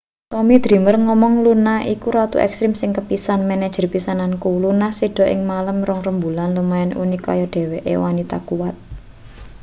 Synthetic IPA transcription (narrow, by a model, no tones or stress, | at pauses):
t̪ɔmid̪̥ɾi̤mərŋɔmɔŋlunaʔikuɾat̪ṵʔɛ̰kst̪ɾɪmsɪŋkəpisanmɛnɛd̥ʒ̥ərpisanankulunasiɖ̥ɔ̤ʔɪŋmaləmrɔŋrəmbulanlumaɛnṵnikɔ̰jɔɖ̥e̤wɛʔḛwanit̪a̰kuwat̪̚